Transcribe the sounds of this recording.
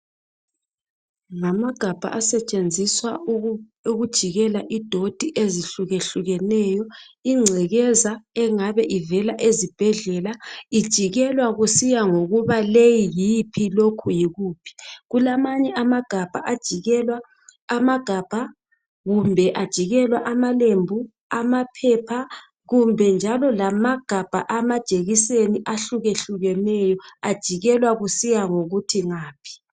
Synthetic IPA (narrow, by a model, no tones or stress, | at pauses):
ŋamaɡ̥ʱab̥ʱa̰ʔasɛt͡ʃʼend͡zʱiswa | uɣud̥ʒ̥ʱiɣɛlaʔid̥ʱod̥ʱiʔeziɬuɣeɬuɣɛnɛjɔiŋ͡ǀʱɛɣɛzaɛŋaβɛʔivɛlaʔezib̥ʱɛɮɛlaid̥ʒ̥ʱiɣɛlwaɣusijaŋoɣuβalejijipʰilokʰujiɣuːpʰi̥ɣulamaɲɛʔamaɡ̥ʱab̥ʱaʔad̥ʒ̥ʱiɣɛlwaː | maɡ̥ʱab̥ʱa | ɣumbʱɛʔad̥ʒ̥ʱiɣɛlwaʔamalembʱu | amapʰɛpʰa | ɣumbʱɛnd͡ʒʱalɔlamaɡ̥ʱab̥ʱaʔamad̥ʒ̥ʱeɣiseniʔaɬuɣeɬuɣɛnɛjɔad̥ʒ̥ʱiɣɛlwaɣusijaŋoɣutʰiŋaːpʰi̥